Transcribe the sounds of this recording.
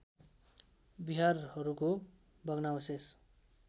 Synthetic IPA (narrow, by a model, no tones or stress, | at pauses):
biɦarhʌɾuko | bʱʌɡnawʌses